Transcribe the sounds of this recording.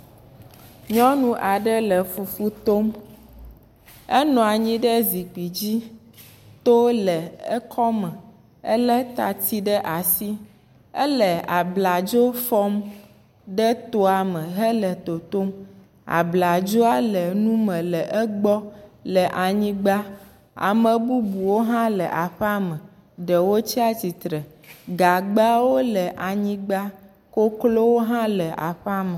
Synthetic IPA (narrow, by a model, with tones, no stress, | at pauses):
ɲɔ̃˦nũ˦ʔa˨ɖɛ˦lɛ˨fu˨fu˦t̪o˦m | ɛ˦nɔ̃˨a˨ɲĩ˦ɖɛ˦zi˨k͡pi˨d͡ʑi˦ | t̪o˦lɛ˨ɛ˦kʰɔ˦mɛ̃˨ | ɛ˦lɛ˦t̪a̰˨t̪i˦ɖɛ˦ʔa˨si˦ | ɛ̰˦lə˨a˨bla˨d͡ʒo˦fɔ˦m | ɖɛ˦t̪o˦a˨mə̃˨ɦə˦lə˨t̪o˨t̪o˦m | a̰˨bla˨d͡ʒo˦a˦lə˨nũ˦mə̃˨lə˨ʔə˦ɡ͡bɔ˦lə˨ʔa˨ɲĩ˦ɡ͡ba˦ | a̰˨mə̃˨bu˦bu˨wo˦ɦã˦lə˨ʔa˨ɸɛ˦a˦mə̃˨ | ɖə˨wo˦t͡ɕi˦a˦ti˨t̪ɾə˨ | ɡa˨ɡ͡ba˦wo˦lə˨ʔa˨ɲĩ˦ɡ͡ba˦ | ko˦klo˦wo˦ɦã˦lə˨ʔa̰˨ɸa˦mə˨